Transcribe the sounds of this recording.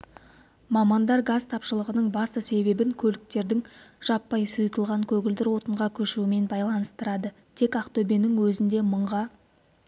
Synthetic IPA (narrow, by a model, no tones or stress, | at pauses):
mɑmɑnd̪ɑɾɡazt̪ʰɑpʃəlˠəʁənəɴbɑst̪əse̞be̞bɪŋkʲʰɵlɪk̚t̪e̞ɾd̪ɪŋʒ̥ɑpːɑjsʊjt̪əlˠʁɑŋkʲʰɵɡʲɪld̪ɪɾwo̞t̪əɴʁɑkʲʰɵʃuɪme̞nbɑjlˠɑnəst̪əɾɑd̪ət̪ʰe̞kaqt̪obenɪŋwɵzɪnd̪e̞məɴʁɑ